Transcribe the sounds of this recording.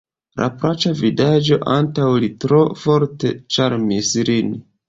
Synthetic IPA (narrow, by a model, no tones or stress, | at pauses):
la̰pɾat͡ʃavidad͡ʒo̞ʔantawlitɾo̞fo̞ɾte̞t͡ʃaɾmislin